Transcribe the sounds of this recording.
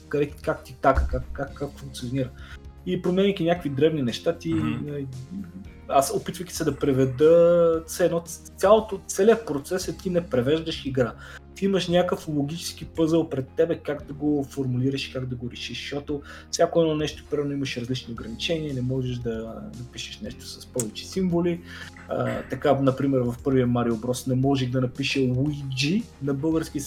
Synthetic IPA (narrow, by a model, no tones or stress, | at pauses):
kɐd̪ɛkikak̚t̪it̪akə̥kakkːakːakfuŋk̚t̪sʲioniɾəxipɾomɛnʲikʲinʲakəkvid̪ɾɛvninɛʃt̪at̪inɐli | asopit̪vəkʲi̥sɛd̪ɐpɾɛvɛd̪ət̪sɛɛnɔt̪sʲjalˠot̪ot̪sɛliəpɾot̪sɛsɛt̪inɛpɾɛvɛʒd̪əʃiɡɾa | t̪iiməʃnʲakəflˠoɡʲit͡ʃɛ̥skipɤzəlˠpɾɛt̪ːɛbɛkaɡd̪ɐɡofoɾmuliɾəʃi̥kaɡd̪ɐɡoɾɛʃiʃʃɔt̪ofsʲjakoɛnɔnɛʃt̪o̥pɾiɛnoimɐʃɾɐzlit͡ʃniʊɡɾɐnit͡ʃɛniənɛmɔʒɛʒd̪ɐnɐpiʃɛ̥ʃnɛʃt̪o̥sɐspɔvɛt͡ʃɛ̥siɱvoli | ə̰t̪ɐkanɐpɾimɛɾvɐfpɤɾviəmaɾiobɾɔsnɛmɔʒɛxd̪ɐnɐpiʃəwuid͡ʒi | nɐbɤlˠɡəɾsk̟i